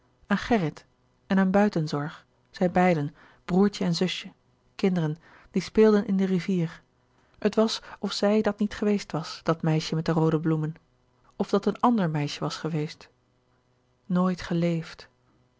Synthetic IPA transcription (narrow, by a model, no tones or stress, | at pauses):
ʔaːnχɛrɪt | ɛnaːnbœɥtənzɔɹχ | z̥ɛjbɛjdən | b̥ruːɹt͡ʃəɛnzɵsjə | kɪndərən | d̥ispɪːlˠdənʔɪndəriviːɹ | ətʋɑsɔfsɛjdɑtnitχəʋejstʋɑsd̥ɑtmɛjʃəmɛt̚dərowdəblumən | ɔvdɑtənɑndəɹmɛjʃəʋɑsχəʋejst | noːjtχəlejft